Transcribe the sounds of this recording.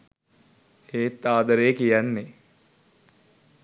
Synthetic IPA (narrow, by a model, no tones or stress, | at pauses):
eːt̪ːaːd̪ɐɾejːkijanːe